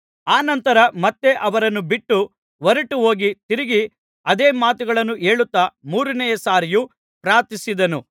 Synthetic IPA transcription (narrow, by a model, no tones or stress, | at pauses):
aːnɐnt̪ɐɾɐmɐt̪ːe̞ʔɐʋɐɾɐnːubiʈːu | ʋɐɾɐʈuɦo̞ːɡit̪iɾiɡi | ɐd̪eːmaːt̪uɡɐɭɐnːue̞ːɭut̪ːɐmuːɾɐnɛjɐsaːɾiju | pɾaːt̪isid̪ɐnu